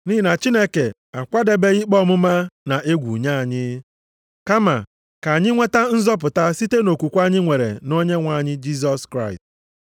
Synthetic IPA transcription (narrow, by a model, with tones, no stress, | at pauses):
ni˦˨na˨t͡ʃi˦ne˦ke˨ | a˨kʷa˦de˨be˦ɣi˦k͡pɔ˦mʊ˦ma˦na˨ʔe˦ɡʷṵ˨ɲa˦a˨ɲɪ˦ | ka˦ma̰˨ | ka˨a˨ɲɪ˦ŋʷe˦ta˦n̩˦zɔ˦p̬ʊ˨ta˦si˦te˦no˨kʷu˨kʷa˦ɲɪ˦ŋʷe˨ɾḛ˨no˦ɲe˦ŋʷa˨ɲɪ˦d͡ʒi˦s̬ɔ˦skɾa˦˨ɪ˨st